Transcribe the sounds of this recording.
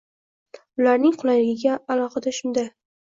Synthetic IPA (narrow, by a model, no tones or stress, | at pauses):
ʊlaɾnɪŋqʰʊlˠajlɪɡʲɪɡʲaːlˠɒqɑd̪aʃʊnd̪a